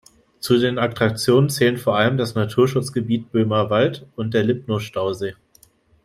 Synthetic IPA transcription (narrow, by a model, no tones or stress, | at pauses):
t͡sudeːnaktʁ̥ak̚t͡sjoːnənt͡sɛːlənfoːɐʔaləmdasnatʰuːɐʃʊt͡sɡ̥əbiːt̚b̥øːmɐvaltʊnt̚d̥eːɐlɪp̚noʃtaʊzeː